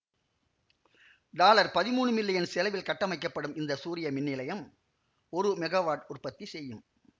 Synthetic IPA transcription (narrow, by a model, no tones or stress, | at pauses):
ɖ̪aːlɐɾpɐðɪmuːɳɯmɪlːɐjɐnsɛlɐʋɪlkɐʈːɐmɐɪkːɐpːɐɽɯmɪnd̪ɐsuːɾɪjɐmɪnːɪlɐjɐm | ɔɾɯmɛɣɐʋaːʈʊrpɐt̪ːisɛjːɯm